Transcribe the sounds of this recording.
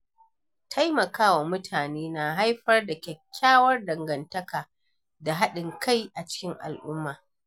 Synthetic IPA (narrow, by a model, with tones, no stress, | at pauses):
tʰa˦jmɐ˨kaː˦wa˨mʊ˦tʰaː˨neː˦naː˨ɦa˦jɸɐ˦rda˨kʲɛ˨kʲːaː˦wɐ˦rdɐ˨ŋɡɐ˨ntɐ˦kaː˨ | da˨ɦa˦ɗɪ˨ŋkʰa˦jʔa˨t͡ʃɪ̥˦kʲɪ˦ŋʔa̰˨lʔʊ˦mːaː˨